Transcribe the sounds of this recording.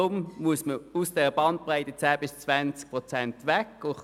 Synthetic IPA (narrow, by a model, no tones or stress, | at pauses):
ʊmmuəsməusd̥ɛʁəb̥ɑnt̚pʁaɪtət͡sæːb̥ɪst͡svænt͡sk̚pʁɔt͡sɛntʋɛkʊ